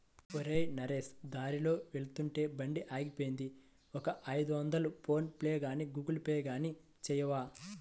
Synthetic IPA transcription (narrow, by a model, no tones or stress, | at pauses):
oɾeːjnɐɾeːsd̪aːɾilo̞ːʋeɭut̪uɳʈe̞ːbɐɳɖiʔaːɡipoːjind̪i | ɔkɐʔɐjd̪uʋɐnd̪ɐlupʰo̞ːnpleːɡaːniɡuːɡɐlpɛːjɐɡaːni | t͡ʃɛjɐʋaː